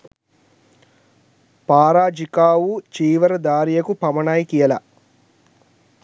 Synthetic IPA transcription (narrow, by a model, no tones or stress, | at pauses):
paːɾaːd͡ʒikaːwut͡ʃiːʋɐɾɐd̪aːɾijɐkupɐmɐɳaːjkijɐlɐ̰